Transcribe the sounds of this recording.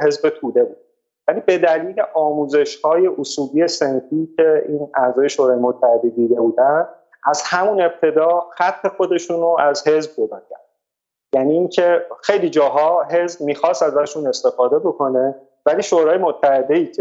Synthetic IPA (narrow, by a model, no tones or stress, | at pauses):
he̞zbet̪ʰuːd̪e̞buːd̪ | væliːbe̞d̪æliːle̞ʔɒːmuːze̞ʃhɒːje̞ʔosuːliːe̞senfiːcʰe̞iːnæzɒːje̞ʃoːɾɒːjemot̪ʰːæhe̞d̪ed̪iːd̪e̞buːd̪ænd̪ | æzhæmune̞b̚t̪ʰe̞d̪ɒːxæt̪ʰːe̞xo̞d̪e̞ʃuːnoæzhe̞zb̚jod̪ɒːcʰæ̰ɾ | jæniːncʰe̞xejliːd͡ʒɒːɦɒːɦe̞zbmiːxɒːst̪æzvæʃuːne̞st̪e̞fɒːd̪e̞bo̞kʰo̞ne̞ | væliːʃoːɾɒːje̞mot̪ʰːæhe̞d̪eiːcʰe